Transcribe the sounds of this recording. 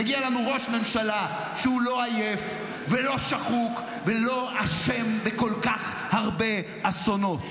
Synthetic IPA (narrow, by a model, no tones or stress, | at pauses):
aɡialanuʁo̞ʃme̞mʃala | ʃeulo̞aje̞f | velo̞ʃaχuk | velo̞aʃembeko̞lkaχ | haʁbe̞ | aso̞no̞t̪